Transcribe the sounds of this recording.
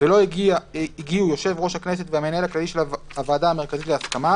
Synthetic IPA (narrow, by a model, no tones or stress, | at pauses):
velo̞ɡiaiɡiujo̞ʃe̞vʁo̞ʃhakne̞s̬e̞t̪veame̞nae̞laklaliʃe̞lav | avaːd̪aːme̞ʁ̞kazit̪leaskama